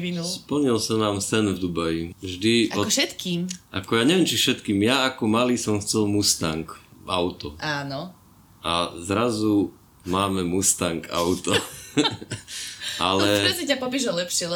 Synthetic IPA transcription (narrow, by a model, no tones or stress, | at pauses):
inuspl̩ɲilsanaːmsɛnvd̪ubajivʒd̪iaɔɔʃɛt̪kiːmʔa̰kɔjaːɲɛʋɪɛmt͡ʃifʃɛt̪kiːmjaːkɔmaliːsɔmxt͡sɛlmust̪aŋkaʊt̪ɔaːnɔ | ʔazɾazu | maːmɛmust̪aŋka̰ʊt̪ɔ | ʔalɛɛsicapɔpiʒɔlɛpʃɪɛlɛ